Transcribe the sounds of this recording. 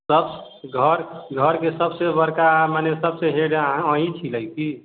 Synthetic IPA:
səb | ɡʱəɾɡʱəɾkesəbsebəɾkamanesəbseɦeɽə̃ĩt͡ʃʰiləjki

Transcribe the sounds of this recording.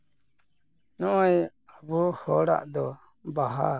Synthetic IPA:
nɔɔj | abuhɔɾa̰ʔd̪ɔ | baɦa

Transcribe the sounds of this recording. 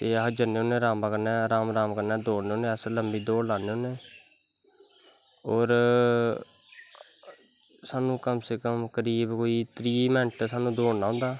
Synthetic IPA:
t̪eːəɦd͡ʒəneːõːnẽːɾaːmãːkəɾnɛ̃ːɾaːmɾaːmkəɾnɛ̃ːd̪oːɽneːoːnẽːsləmbiːd̪oːɽlaːneːoːneː | ɔːɾ | saːnũːkəmseːkəmkəɾiːbkoːiːt̪ɾiːmɛnʈsaːnũːd̪oːɽnaːɦʊ̃nd̪aː

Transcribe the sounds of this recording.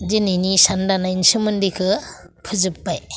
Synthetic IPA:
dininisandanajnsɯmɯndikʰɯpʰɯzɯpːaj

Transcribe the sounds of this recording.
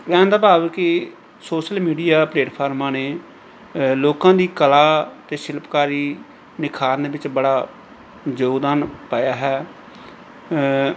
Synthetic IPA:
ʋɛ̃ːnd̪aːbaːʋkɪ | soːʃəlmiːɖijaːpleːʈpʰaːɾmãːneː | loːkãːd̪iːkəlaːt̪eːʃɪlpkaːɾiː | nɪkʰaːɾnd̪eːʋɪt͡ʃbəɽaː | d͡ʒoːd̪aːnpaːjaːɦɛː

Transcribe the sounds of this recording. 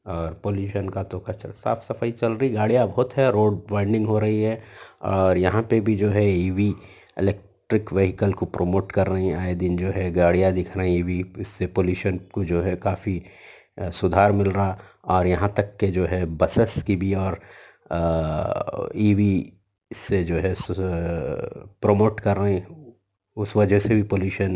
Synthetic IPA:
ɔːɾpoːljuːʃənkat̪okɐt͡ʃəɾsa̰ːfʰsɐfait͡ʃɐlɾɐɦiɡaːɽijabɐɦʊt̪ɦɛɾoːɖʋãːɪ̃ɳɖɪ̃ŋɡɦoɾɐɦiɦɛɔːɾjɐɦãpebʱid͡ʒoːɦɛiːʋi | ɪ̰lɛːk̚ʈɾɪkʋeɦɪkəlkopɾʔomoːʈkɐɾːɐɦĩaːed̪ɪnd͡ʒoːɦɛɡaːɽijad̪ɪkʰɾɐɦĩiːʋiɪsːepoːljuːʃənkod͡ʒoːɦɛkaːfi | sʊd̪ʱaːɾmɪlɾɐa | ɔːɾjɐɦãt̪ɐkːed͡ʒoːɦɛbɐsəskibʱiɔːɾ | iːʋi | sed͡ʒoːɦɛs | pɾomoːʈkɐɾːɐɦɛ̃ | ʊsʋɐd͡ʒʱəsebʱipoːljuːʃən

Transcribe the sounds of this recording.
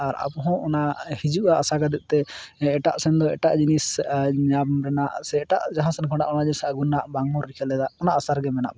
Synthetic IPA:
aɾa̰pɔɦɔ̃ʔɔnaʔhid͡ʒuʔaasakad̪ɛʔ̚t̪ɛɛʈaʔsɛnd̪ɔɛʈaʔd͡ʒinisɲabɾɛnaʔsɛːʈa̰ʔd͡ʒaɦãsɛnkʰɔ̃ɖaʔɔnad͡ʒiisaʔɡunːaʔbaŋmɔɾːikʰɛlɛd̪aɔnaʔasaɾɡɛmɛna̰ʔ

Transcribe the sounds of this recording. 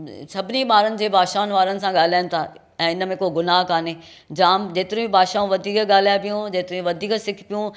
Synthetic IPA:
sɐbʱɪniɓaːɾənɪ̆d͡ʑeːbʱaːʃaːʊnʋaːɾənɪ̆sãɠaːl̤aːɪnɪ̆t̪ʰaː | ɛ̃ːɪnə̆mẽkoɡʊnaːɦkaːne | d͡ʑaːmd͡ʑeːt̪ɪɾũĩbʱaːʃaːũʋɐd̪ʱiːkɠaːl̤apijũd͡ʑeːt̪ɪɾũĩʋɐd̪ʱiːksɪkʰpijũ

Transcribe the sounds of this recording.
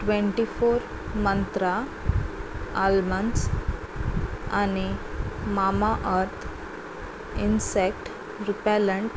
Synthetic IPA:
ʈʋẽɳʈifoɾ | mənt̪ɾa | alməns | animamaʔəɾt̪ʰ | insek̚ʈ | ɾipɛləɳʈ

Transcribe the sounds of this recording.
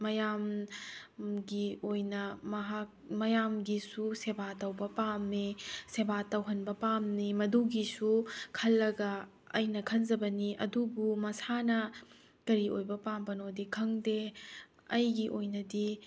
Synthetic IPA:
mɐjam | ɡiojnɐmɐɦak̚ | mɐjamɡisusebatɐwbɐpamnisebatɐwɦɐnbɐpamnimɐduɡisukʰɐlːɐɡɐː | jnɐkʰɐnzɐbɐniʔɐ̰dubumɐsanɐ | kɐɾiojbɐpambɐnodikʰɐŋde | ɐjɡiʔojnɐdi

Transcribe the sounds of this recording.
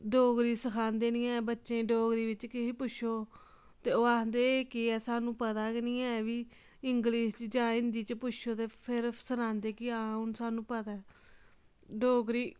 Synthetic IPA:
ɖoːɡɾiːsəkʰaːnd̪eːnĩːɛːbətːʃẽːɖoːɡɾiːʋɪt͡ʃkɪɦiːpʊʃʰoː | t̪eːoːaːɦnd̪eːkiɛːsaːnũːpət̪aːkɪnĩːɛːʋiː | ɪŋɡliːʃt͡ʃd͡ʒãːɪ̃nd̪iːt͡ʃpʊʃʰoːt̪eːpʰɪɾsənãːnd̪eːkɪaːʊnsaːnũːpət̪aː | ɖoːɡɾiː

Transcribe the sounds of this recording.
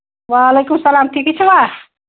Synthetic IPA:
ʋalekumsəlamʈ̪ʰikɛt͡ʃʰɛwa

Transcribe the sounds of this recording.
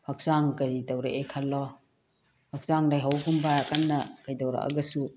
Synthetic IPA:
pʰak̚z̥aŋkaɾidawɾaʔekʰalːɔ | pʰak̚zaŋlajɦawɡumbaɾakanːɐkajdawɾa̰a̰ɡɐsu

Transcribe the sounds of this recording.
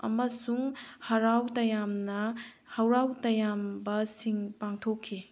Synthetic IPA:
ɐ̰mɐsuŋhɐɾawtɐjamnɐ | hɐwɾawtɐjambɐsiŋpaŋtʰokʰːi

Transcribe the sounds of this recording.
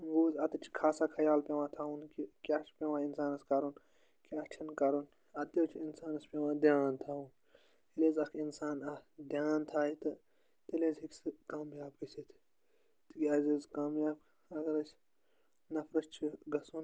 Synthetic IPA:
ɡoːzɐt̪ɐt͡ʃʰi̥kʰaːsaːkʰɐjaːlpʲeʋãːt̪ʰaːunkikʲaːt͡ʃʰpʲeʋãːinsaːnɐskɐɾun | kʲat͡ʃʰɐnkɐɾun | ɐt̪joːt͡ʃʰiinsaːnɐspʲeʋãːd̪jaːnt̪ʰaːun | ileːzɐkʰinsaːnɐd̪jaːnt̪ʰaːit̪ɨ | t̪eleːzikʲsɨkaːmjaːb̚kisit̪ʰ | t̪ikʲiɐzizkaːmjaːbk | ɐɡɐɾɐs | nɐfɾɐst͡ʃʰiɡɐsuːn

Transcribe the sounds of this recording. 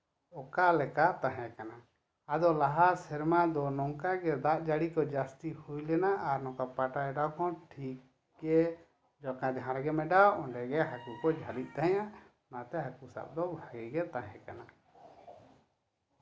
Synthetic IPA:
ɔkalɛkat̪ãɦɛ̃kana | ad̪ɔlaɦasɛɾmad̪ɔnɔŋkaɡɛd̪aʔd͡ʒaɽikɔd͡ʒast̪ihujlɛnaʔaɾnɔ̃kapaʈaɛɖawkɔ̃ʈʰik̚ | ɡɛ | d͡ʒɔkãd̪ɛɦãɾɡɛmɛɖawɔ̃ɖɛɡɛɦakukɔd͡ʒʱalit̪̚ˀt̪aɦɛ̃ja | nat̪ɛɦakusa̰b̚d̪ɔbʱaɡɛɡɛt̪ãɦɛ̃kana

